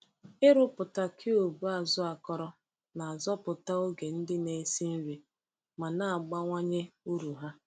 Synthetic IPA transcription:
ɪ˦ɾʊ˦pʊ˨ta˦kʰɪ˦o˨bu˦a˨zɔ˦a˨kɔ˦ɾɔ˦ | na˨a˨zɔ˦pʊ˨ta˦o˦ɡe˨n̩˦dɪ˦ne˨˦si˦n̩˦ɾi˨ | ma˨na˦a˨ɡ͡ba˦ŋʷa˦ɲe˦u˦ɾu˨ɦa˦

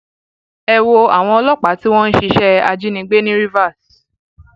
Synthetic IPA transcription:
ɛ˧wo˧a̰˨w̃ɔ̃˧ɔ˧lɔ˦k͡pa˨˦ti˦w̃ɔ̃˦n̩˦ʃi˧˦ʃɛ˦a˧d͡ʒi˦nĩ˧ɡ͡be˦nĩ˦ɾi˦va˦˨s

